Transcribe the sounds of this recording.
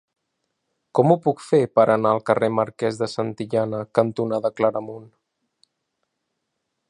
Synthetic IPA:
kɔmupukfepəɾʔənaəlˠkəreməɾkɛzðəsant̪iʎanəkənt̪unaðəkləɾəmun

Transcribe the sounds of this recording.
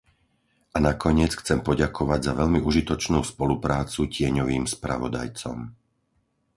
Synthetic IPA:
ʔanakɔɲɪɛt͡sxt͡sɛmpɔɟakʰɔʋaɟzaʋɛʎmiʔuʒit̪ɔt͡ʃnuːspɔlupɾaːt͡sucɪɛɲɔʋiːmspɾa̰ʋɔd̪a̰jt͡sɔ̰m

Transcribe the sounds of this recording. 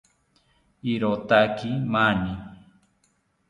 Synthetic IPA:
iɾot̪akimani

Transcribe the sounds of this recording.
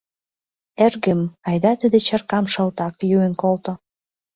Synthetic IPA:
erɡəmɑjd̪ɑt̪əd̪et͡ɕərkɑmʃə̆lt̪ɑkjuenkolt̪o

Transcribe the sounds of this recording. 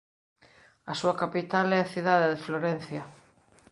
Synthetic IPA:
asuakapit̪alɛaθiðaðɪðefloɾen̟θja

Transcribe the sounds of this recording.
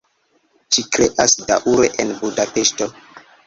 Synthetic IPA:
t͡ʃikɾeʔasdaʔuɾḛʔenbudapeʃto

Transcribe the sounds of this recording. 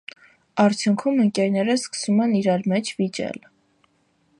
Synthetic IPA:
ɑɾt͡sʰjuŋkʰuməŋkɛɾnɛɾəskə̥sumɛniɾɑɾmɛt͡ʃʰvit͡ʃɛ̰l

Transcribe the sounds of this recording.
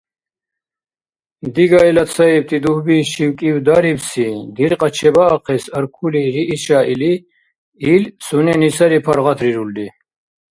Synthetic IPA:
d̪iɡaɛlat̪t͡sʰaip̚t̪ʼid̪uhbiʃiwkʼiwd̪aɾipsid̪iɾqʼat͡ʃʰɛbaːqʰɛsaɾkʰuliɾiʔːʃaʔili | ilsunɛnisaɾipʰaɾʁat̪ʰɾiɾuld̪i

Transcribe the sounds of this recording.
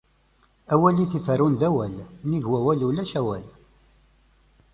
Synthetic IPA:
æwæliθifəɾunðæwælniʝwæwælulæʃæwæl

